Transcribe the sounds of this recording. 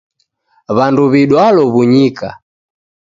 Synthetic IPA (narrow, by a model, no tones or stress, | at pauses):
βanduβiɗwalɔβuɲika̰